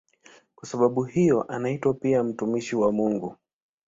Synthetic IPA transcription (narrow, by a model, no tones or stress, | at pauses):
kwasaɓaɓuhijɔʔanaitwapiam̩tumiʃiwamuŋɡu